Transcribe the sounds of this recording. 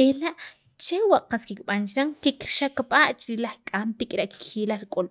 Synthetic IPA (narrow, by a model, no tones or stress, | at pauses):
elaʔ | t͡ʃewaʔqaskikɓant͡ʃɾaŋkikʃakɓaʔt͡ʃɾilaχkʼamt̪ikʼɾaʔki̥kʰilaɾikʼol